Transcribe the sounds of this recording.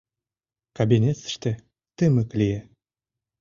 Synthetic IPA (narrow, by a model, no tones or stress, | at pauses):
kabʲinʲet̪sə̥̆ʃt̪ĕ | t̪ɘmə̆klʲije